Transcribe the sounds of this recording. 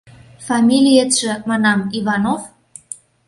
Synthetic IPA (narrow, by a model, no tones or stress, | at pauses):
fɑmʲilʲiet̪ʃə̆mɑnɑmivɑnov